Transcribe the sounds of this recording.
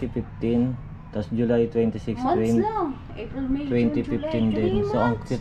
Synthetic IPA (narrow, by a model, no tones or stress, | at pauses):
ifift̪in | t̪asd͡ʒulajt̪wɛnt̪isikst̪wɛ | t̪wɛnt̪ifift̪indɛnsəaksi